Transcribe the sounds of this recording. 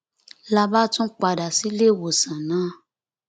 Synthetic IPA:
la˧ba˦tũ˦k͡pa˧˨da˨si˨˦le˦˨wo˨sã˨nãː˨˦

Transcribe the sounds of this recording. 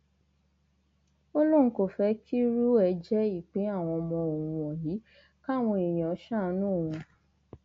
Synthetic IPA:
o˦lo˦˨n̩˦ko˨fɛ˧kʰi˦ɾu˦ɛ˨˧˦d͡ʒɛ˦i˦˨k͡pe˨˦a˦˨w̃ɔ̃˧mɔ̃˧o˨wũ˧ɔ̃˨ji˨˦ | ka˦˨w̃ɔ̃˧i˨j̃ã˨ɔ˨˦ʃã˦˧˦nũ˦˨wũ˧

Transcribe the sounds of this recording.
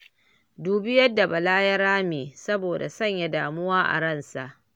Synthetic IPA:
duː˨bɪ˦jɐ˦dːa˨ba˨laː˦jɐ˦ɾaː˦meː˨sɐ˦boː˨da̰˨sɐ˦˨ɲja˨daː˨mʊ˦waː˦ʔa̰˨ɽɐ˦˨nsa˨ʔ

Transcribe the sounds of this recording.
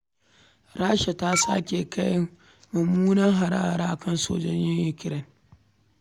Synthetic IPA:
ɾaː˦ʃa˨ta˦sa̰˦kʲe˨ka˦j | mʊ˨muː˦nɐ˦ŋɦa˨ɾa̰ː˦˨ɾaː˦ʔkʰɐ˦nso̰ː˦d͡ʒɐ˦ɲjɪ˦jʊ˨kʲɪ˦ɾɛ˦n

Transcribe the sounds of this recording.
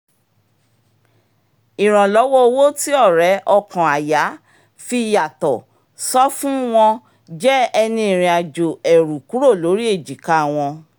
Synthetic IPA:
i˨ɾ̃ã˨lɔ˨˦wɔ˦o˧wo˦ti˦ɔ˦˨ɾɛ˨˦ʔɔ˧˨kã˨a˨ja˨˦ | fi˧ja˨tɔ˨ | sɔ˦fũ˦w̃ɔ̃˧ | d͡ʒɛ˦ɛ˧nĩ˧˨ɾ̃ĩ˨a˨d͡ʒo˨ɛ˨ɾu˨ku˨˦ɾo˦˨lo˨˦ɾi˦e˦˨d͡ʒi˨ka˦˨w̃ɔ̃˧

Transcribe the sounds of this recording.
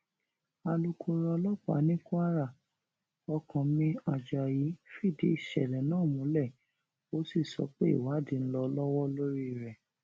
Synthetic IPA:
a˧lu˧˦kʰo˧ɾɔ˧lɔ˦k͡pa̰˨˦nĩ˦ku˦a˦ɾa˦˨ | ɔ˧kʰã˨mĩ˧a˨d͡ʒa˨ji˨˦fi˦˨de˧˨ʃɛ˨lɛ˨nãː˦˨mũ˨˦lɛ˦˨ | o˨˦si˦˨sɔ̰˧˦k͡pe˦ḭ˦˨wa˨˦di˨˧n̩˦lɔ˧lɔ˦wɔ˦lo˦ɾi˦˨ɾɛ˨

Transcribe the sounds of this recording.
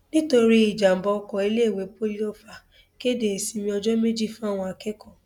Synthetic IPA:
nĩ˦to˧ɾi˦i˦˨d͡ʒa˨m̩˨bɔ˧kɔ˨i˧le˦˨we˨˦po˦li˦o˦fa˨ | ke˦de˨e˨si˧mĩ˧ɔ˧d͡ʒɔ˦me˦d͡ʒi˦˨fũ˦a˦˨w̃ɔ̃˧a˧kɛ˦kɔ˦˨

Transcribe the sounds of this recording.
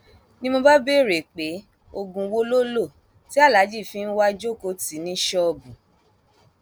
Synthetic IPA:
nĩ˦mo˧ba˦be˦˨ɾe˨k͡pe˨˦ | o˧ɡũ˧wo˦lo˦lo˦˨ | ti˨˦a˦˨la˨˦d͡ʒi˦˨fĩ˧˦n̩˦wa˦d͡ʒo˦˨ko˦ti˨˦nĩ˨˦ʃɔ˦˧˨bũ˨

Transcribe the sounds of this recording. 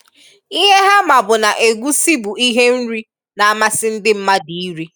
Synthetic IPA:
i˦ɦe˦ɦa˦ma˨bʊ˨na˨ʔe˨ɡʷu˦si˦bu˨i˦ɦe˦n̩˦ɾi˦ | na˨a˦ma˦sɪ˦n̩˦dɪ˦m̩˦ma˦di˨i˦ɾi˦

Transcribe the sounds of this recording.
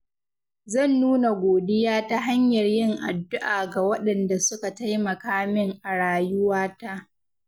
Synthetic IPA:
zɐ˦˨nːuː˦na˨ɡʷoː˨dɪ˦jaː˦ta˦ɦa˦ɲjɐ˨rjɪ˦ŋʔa̰˨dːʊ˦ʔaː˨ɡa˨wɐ˦ɗɐ˨nda˨sʊ˦ka˨ta˦jmɐ˨kaː˦mɪ˦ŋʔa˨ɽaː˨jʊ˦waː˦ta˦ʔ

